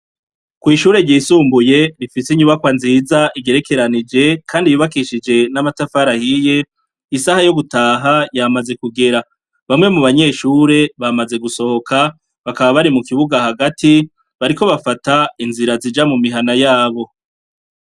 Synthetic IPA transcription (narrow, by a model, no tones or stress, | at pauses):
kwiːʃuːɾe̞ɾɟiːsuːmbuje̞ɾifiseɲuβakwanziːzaʔiɡe̞ɾe̞ke̞ɾanid͡ʒe̞kʰaːndijuβakiʃid͡ʒe̞namatafaɾahije̞ | isahajo̞ɡutaːɦajamaze̞kuɡe̞ɾa | βamŋe̞muβaɲe̞ʃuːɾe̞βamaze̞ɡuso̞ho̞kʰa | βakaβaβaɾimukiβuɡahaɡati | βaɾiko̞βafatainziɾazid͡ʒamumiɦanajaːβo̞